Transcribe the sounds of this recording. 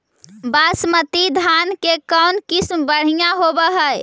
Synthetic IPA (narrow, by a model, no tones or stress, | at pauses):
basmət̪id̪ʱankekənkismbəɽ̤ijãɦobəɦəj